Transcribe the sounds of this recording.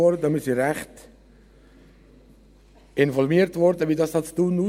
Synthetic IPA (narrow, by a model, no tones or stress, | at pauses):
ɔɾdəmisiɾæχt | ɪnfɔlmiəɾtʋɔɾdəʋidɑshɑt͡stuːnuː